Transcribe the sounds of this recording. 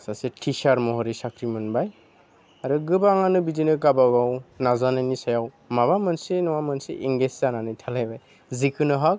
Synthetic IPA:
sasetʰisaɾmɔɦɔɾisakʰɾimɯnbaj | aɾɯɡɯbaŋanɯbidinɯkabaɡawnazanajnisajaw | maβamɯnsenɔwamɯnsḛʔiŋɡeszananɯjtʰalajbaj | zikʰɯnɯɦak̚

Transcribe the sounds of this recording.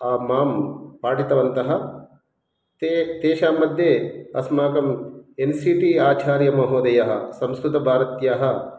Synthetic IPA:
aːmaːmpaːʈit̪ɐʋɐnt̪ɐɦɐ̆ | t̪et̪eːʃaːmːɐd̪ʱjeːɐ̰smaːkɐmensiːʈiaːt͡ʃaːɾjɐmɐɦoːd̪ɐjɐɦɐ̰̆sɐmskɾut̪ɐbʱaːɾɐt̪jaːɦɐ̆

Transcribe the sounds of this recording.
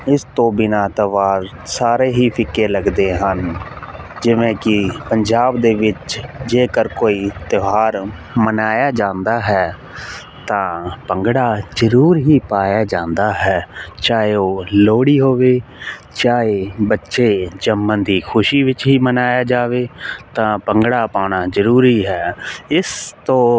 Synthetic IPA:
ɪst̪õːbɪnaːt̪əʋaːɾ | saːɾeːɦiːpʰɪkːeːləɡd̪eːɦən | d͡ʒɪʋẽːkɪpəɲd͡ʒaːbd̪eːʋɪt͡ʃd͡ʒeːkəɾkoːiːt̪ɪɦaːɾ | mənaːjaːd͡ʒãːnd̪aːɦɛː | t̪ãːpəŋɡɽaːzəɾuːɾɦiːpaːjaːd͡ʒãːnd̪aːɦɛːt͡ʃaːɦeoːloːɽiːɦoːʋeː | t͡ʃaːɦeːbətːʃeːd͡ʒəmːə̃nd̪iːkʰʊʃiːʋɪt͡ʃɦiːmənaːjaːd͡ʒaːʋeːt̪ãːpəŋɡɽaːpaːɽ̃aːzəɾuːɾiːɦɛːɪst̪õː

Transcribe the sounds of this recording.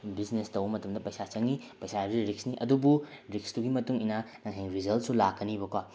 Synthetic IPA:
bisnestɐwbɐmɐtɐmdɐpɐjsat͡ʃɐŋipɐjsajabɾiɾik̚sniʔɐdubu | ɾik̚stuɡimɐtuŋinɐnɐŋɦeŋɾizɐlt̚sulakʰːɐnibɐkwa

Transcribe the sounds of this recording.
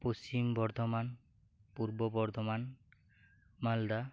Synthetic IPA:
post͡ʃimbɔɾd̪ʱɔman | puɾbɔbɔɾd̪ɔman | mald̪a

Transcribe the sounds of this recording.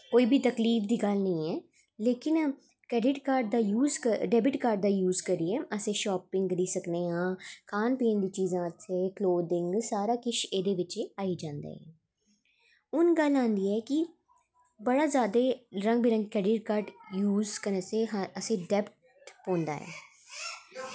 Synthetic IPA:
koːiːbʱit̪əkliːfd̪iːɡəlnəĩːɛː | leːkɪn | kɛːɖɪʈkaːɾɖd̪aːjuːzkəɖɛːbɪʈkaːɾɖ̚d̪aːjuːzkəɾiɛːəsẽːʃɔːpɪ̃ŋɡd̪iːsəkd̪eːãːkʰaːnpiːə̃nd̪iːt͡ʃiːzãːət̪ʰeːkloːd̪ɪ̃ŋɡsaːɾaːkɪt͡ʃeːd̪eːʋɪt͡ʃeːaːiːd͡ʒãːnd̪ḛːɦɛː | ʊnɡəlãːnd̪iːɛːkɪ | bəɽaːzjaːd̪eːɾə̃ŋɡbiːɾə̃ŋɡkɛːɖɪʈkaːɾɖjuːzkəɾəsẽːɦəsẽːɖɛːpʈ | ʈpõːnd̪a̰ːɦɛ̰ː

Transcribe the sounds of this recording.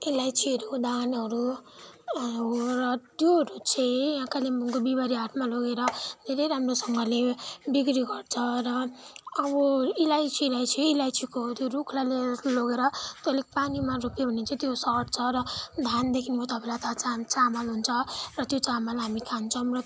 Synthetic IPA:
ilajsʰiʌɾud̪anʌɾu | rʌt̪joɦɾut͡sʰʌjãkalembʱuŋkobibaɾiɦaʈʰmaloɡeɾʌd̪ʱeɾʌjɾamrosʌŋɡʌlebiɡɾiɡʌrt͡sʰʌrʌː | bʌilajsʰilajsʰiilajsʰikot̪joɾukʰlaleloɡeɾʌt̪olekpanimaɾupjobʱʌnent͡sʰʌ̃t̪josʌʈt͡sʰʌɾʌd̪ʱand̪ekʰinut̪ʌpʰaelat̪at͡sat͡samalɦunt͡sʰʌrʌt̪jot͡samalɦamikʰant͡sʰʌw̃rʌ

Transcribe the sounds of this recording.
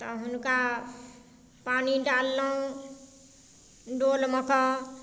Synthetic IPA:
t̪ʌɦunka | paniɖalːʌw̃ | ɖolmʌkʌ

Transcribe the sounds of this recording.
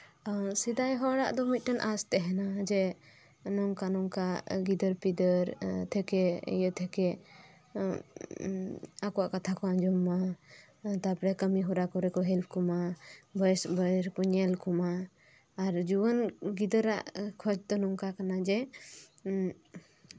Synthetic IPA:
sid̪ajɦɔɽa̰ʔd̪ɔmit̪̚ˀʈənʔast̪ɛɦɛnad͡ʒɛ | nɔŋkanɔŋkaɡid̪əɾpid̪əɾt̪ʰɛkɛjət̪ʰɛkɛ | akɔwaʔkat̪ʰakɔad͡ʒɔmːa | t̪apɾɛkəmiɦɔɾakɔɾɛkɔɦɛlpʰkɔmabəjsbəɾkɔɲɛlkɔmaː | ɾd͡ʒuwənɡid̪əɾa̰ʔkʰɔd͡ʒt̪ɔnɔŋkakanad͡ʒɛ

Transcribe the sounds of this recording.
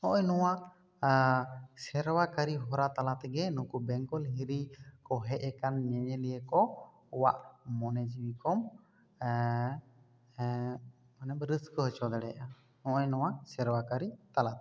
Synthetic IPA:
ɔ̃ʔɔɲnɔwa | sɛɾwakaɾiɦɔɾat̪alat̪ɛɡɛnũkubɛŋkɔlɦiɾikɔɦɛʔɛkanɲɛɲɛlijɛkɔ | waʔmɔnɛd͡ʒiwikɔm | manɛbɾəskɔɦɔt͡ʃɔd̪ɛɽɛʔa | ɔ̃ʔɔɲnɔwaʔsɛɾwakaɾit̪alat̪ɛ

